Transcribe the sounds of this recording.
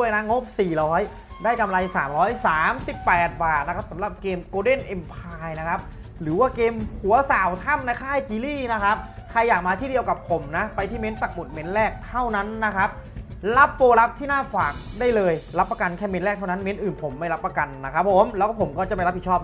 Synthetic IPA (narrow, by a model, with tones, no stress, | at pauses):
u˥˩əjna˦˥ŋo˦˥p̚siː˨˩lɔː˨˦˥j | daː˥˩jka˧mla˧jsaː˩˦mɾɔː˦˥jsaː˩˦msi˨˩pːɛː˨˩t̪̚baː˨˩t̪̚na˦kʰa˦˥p̚sa˩˦mla˨˩p̚keː˧mkoː˧de˥˩nʔe˧mpʰaː˧jna˦˥kʰa˦˥p̚ | ɾɯː˩˦waː˥˩keː˧mhu˨˩˦ɐsaː˨˩˦wt̪ʰa˥˩mna˧jkʰaː˥˩jt͡ɕiː˧liː˥˩na˦˥kʰa˦˥p̚kʰa˧jːaː˨˩k̚maː˧iː˥˩di˧əwka˨˩pʰo˩˦mna˦˥pa˧jt̪ʰiː˥˩me˦˥nt̪a˨˩k̚mo˨˩t̪̚me˦˥nlɛː˥˩k̚t̪ʰa˥˩wna˦˥nːa˦˥kʰa˦˥p̚ | la˦˥pːoː˧la˦˥p̚t̪ʰiː˥˩naː˥˩faː˨˩k̚daː˥˩jlɤː˧jla˦˥pːa˧ka˧nkʰɛː˥˩me˦˥nlɛː˥˩t̪ʰa˥˩wna˦˥nme˦˥nʔɯː˨˩npʰo˩˦mːa˥˩jla˦˥pːa˧ka˧nːa˦˥kʰa˦˥pʰːo˩˦mlɛ˦˥kɔ˥˩pʰo˩˦mkɔː˥˩t͡ɕa˨˩pa˧jɾa˦˥p̚i˨˩t͡ɕʰɔː˥˩